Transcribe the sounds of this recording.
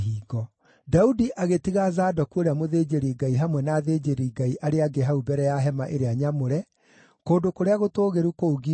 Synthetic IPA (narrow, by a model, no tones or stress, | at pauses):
iːɡɔ | daudiʔaɣetiɣazaːdɔkuoɾeamoðeːd͡ʒeɾiɡaiɦamwɛnaːðeːd͡ʒeɾiːɡaiʔaɾeaɡeɦaubɛɾɛjaɦɛmaʔeɾeaɲamoɾɛ | koːdokoɾeaɣotoːɣeɾukouɡi